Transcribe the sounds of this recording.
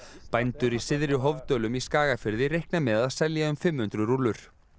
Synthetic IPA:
pajnt̪ʏɾisɪðɾʏɦovt̪œːlʏmiskaːɣafɪɾðɪɾejhknamɛðaðsɛljaʏmfɪmhʏnt̪ɾʏɾulːʏɾ̥

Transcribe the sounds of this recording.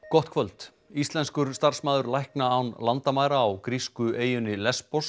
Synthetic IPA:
kɔht̪̚kʰvœlt̪ | ist̪lɛnskʏɾ̥st̪ar̥smaːðʏɾlajhknaːwnlant̪amaːjɾaːwkɾiskʏeːjʏnɪlɛspɔs

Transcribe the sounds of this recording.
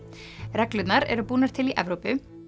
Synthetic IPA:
ɾɛklʏt̪naɾɛ̰ɾʏpuːnaɾt̪ʰɪliʔɛvɾopʏ

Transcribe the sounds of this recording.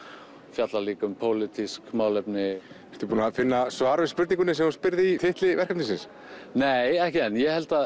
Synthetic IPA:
fjat̪laliːkʏmpʰoːwlɪt̪ʰiskmaːwlɛpnɪɛɾ̥t̪ʏɾpuːnafɪnːasvaːɾʏspʏɾt̪iŋkʏnɪsɛmahunspɪɾðɪit̪ʰɪht̪lɪvɛɾ̥kʰamt̪isɪns | neːjɛhcɪɛnjɛhɛl̥t̪a

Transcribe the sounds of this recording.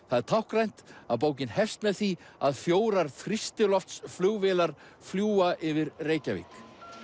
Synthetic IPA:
θaðɛɾt̪ʰawhkɾrajn̥t̪aðp̬oːwc̬ɪnhɛst̪mɛðθiaðfjoːwɾaɾ̥θɾist̪ɪlɔft̪sflʏɣvɛːlaɾ̥fljuːaʔɪvɪɾreːjcavḭːk

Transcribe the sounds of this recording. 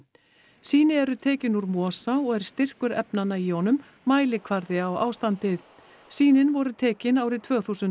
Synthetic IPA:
siːnɪɛɾʏt̪ʰɛːcɪnuɾmɔːsaɔɣɛɾ̥st̪ɪr̥kʏɾɛpnanːaiɔnʏmː | aːjlɪkʰvaɾðɪawa̰ːwst̪ant̪ɪð | siːnɪnvɔɾʏt̪ʰɛːcɪnaːwɾɪt̪ʰv̥œːθusʏnt̪

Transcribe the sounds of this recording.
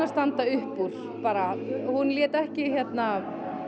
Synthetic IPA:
ast̪ant̪aʏhpːuɾ̥ | paːɾahunːljɛːt̪ɛhcɪçjɛt̪na

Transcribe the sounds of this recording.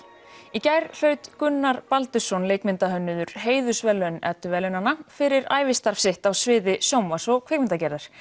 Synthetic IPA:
icajɾl̥œːɥt̪kʏnːaɾpalt̪ʏsɔnleːjkmɪnt̪aɦœnːʏðʏɾ̥ɦeːjðʏsvɛlːœnɛ̰t̪ːʏvɛlʏnanːafɪɾɪɾaːjvɪst̪aɾ̥fsɪht̪awsvɪːðɪsjoːwmasɔɣkʰvɛjkmɪnt̪acɛɾðaɾ̥

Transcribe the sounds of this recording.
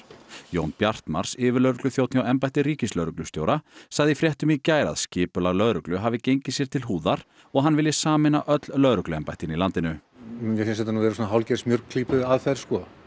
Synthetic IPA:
joːwnpjar̥t̪ma̰ɾ̥sɪːvɪɾlœːɾʏklʏθjowt̪nɪɔɛmpajht̪ɪriːcɪslœðɾʏklʏst̪jowɾasaɣðɪifɾjɛht̪ʏmicaːjɾa̰ðscɪːpʏlaɣlœðɾʏklʏɦaːvɪcejɲcɪsjɛɾ̥t̪ʰɪlɦuːðaɾ | ɔɣɦanvɪlːɪsaːmɪnaʔœt̪llœðɾʏklʏɛmpajht̪ɪnilant̪ɪnʏjɛsɛns̬ɛt̪anuːðɛɾsɔnaɦawlcɛɾsmjœɾkkʰliːpʏðaðfɛɾ̥skɔ

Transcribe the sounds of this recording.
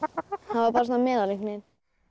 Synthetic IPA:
hanvaɾpɑːɾas̬nːamɛːðalʏŋknɪn

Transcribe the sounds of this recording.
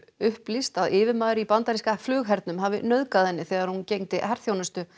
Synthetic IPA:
ʏhplist̪aðɪːvɪmaːðɾɪipant̪aɾiskaflʏːɣɦɛɾt̪nʏmɦaːvɪ̰nœðkaðhɛnːɪθɛːɣaɾhuncejŋt̪ɪhɛɾ̥θjownast̪ʏ

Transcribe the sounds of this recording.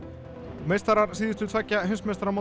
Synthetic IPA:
mejst̪aɾaɾsiːðɪst̪ʏt̪ʰv̥ɛcːaɦʏnsmɛst̪aɾama

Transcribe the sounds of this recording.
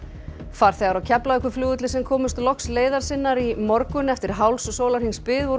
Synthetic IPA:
faːɾ̥θɛːɣaɾawcʰɛplaɛhkvʏɾfljuːʏt̪lɪsɛmkʰɔːmʏst̪lɔksleːjðaɾ̥sɪnːaɾimɔɾkʏnɛft̪ɪɾ̥ɦawlssoːwlaɾ̥hiŋspɪːðvo

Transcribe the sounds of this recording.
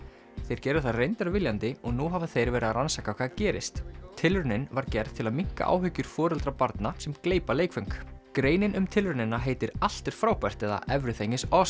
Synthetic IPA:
θejɾ̥cɛːɾɪ̥θaðrejnt̪aɾvɪljant̪ɪɔɣnuɦavɪθejɾvɛːɾɪaðɾansaːkawkʰvːðacɛːɾɪ̰st̪t̪ʰːɪlɾʏnɪnvaɾcɛɾð̥t̪ʰɪlaðmiŋ̥ka̰ʔa̰ːwɦʏcːʏɾ̥fɔːɾɛlt̪ɾapaɾt̪nasɛmkleːjpaleːjkfœŋkkɾeːjnɪnʏmt̪ʰɪlɾʏnɪnaɦeːjt̪ɪɾal̥t̪ɪɾ̥fɾaːwpɛr̥t̪ɛða̰ʔɛvɾʏθeɲɪsɔs

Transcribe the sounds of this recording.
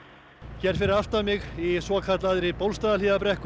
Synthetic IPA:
çɛːɾ̥fɪɾɪðaft̪amɪɣisvɔːkʰat̪laðɾɪpowlst̪aːðalɪːðapɾɛhk

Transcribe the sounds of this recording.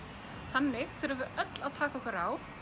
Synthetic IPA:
θanːɪɣθɛɾavɛɾœt̪laðt̪ʰaːkaɔhkvɛɾaːw

